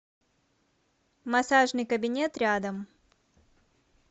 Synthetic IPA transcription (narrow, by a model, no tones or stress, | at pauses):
mɐsaʐnɨjkəbʲɪnʲet̪ɾʲad̪əm